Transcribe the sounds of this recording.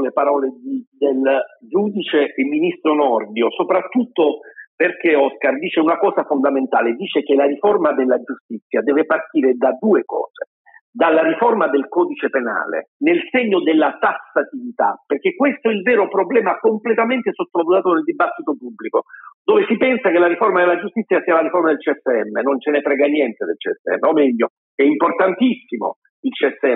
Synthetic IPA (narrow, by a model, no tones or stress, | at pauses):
lepaɾɔːled̪id̪eld͡ʒuːd̪it͡ʃeʔːmːinist̪ɾonɔrd̪josopɾat̪ːut̪ːoperk̟eɔskard̪iːt͡ʃeunakɔːzafond̪ament̪aːled̪iːt͡ʃek̟elaɾiformad̪elːad͡ʒust̪it̪sːjad̪ɛːvepart̪iːɾed̪ad̪uːekɔ̰ːz̥e | d̪alːaɾiformad̪elkɔːd̪it͡ʃepena̰ːlḛnelseɲːod̪elːat̪asːat̪ivit̪a̰perk̟ekːwest̪oɛilvɛːɾopɾoblɛːmakomplet̪ament̪esot̪ːolavuzaːt̪oneld̪ibat̪ːit̪opubːlikod̪oːvesipɛnsakelːaɾiformad̪elːad͡ʒust̪it̪sːjasiːalaɾiformad̪elt͡ʃiɛsːeɛmːenont͡ʃenepɾɛːɡanjɛnt̪ed̪ḛlt͡ʃiɛ̰sːḛɛ̰mːeomɛʎːo | ɛimport̪ant̪isːimo̰ | ilt͡ʃiɛsːeɛ